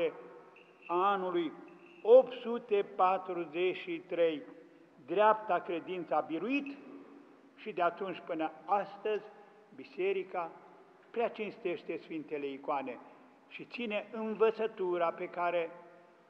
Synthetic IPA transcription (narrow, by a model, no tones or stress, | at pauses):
e | aanuluj | opt̪sut̪e̞pat̪ɾuzeʃit̪ɾe̞j | d̪ɾeap̚t̪akɾe̞d̪int̪səabiɾuit̪ | ʃid̪eat̪unt͡ʃʲpɨnəast̪əzʲ | bise̞ɾika | pɾeat͡ʃinst̪e̞ʃt̪e̞sfint̪e̞le̞ikoane̞ | ʃit̪sine̞ʔɨnvət̪sət̪uɾape̞kaɾe̞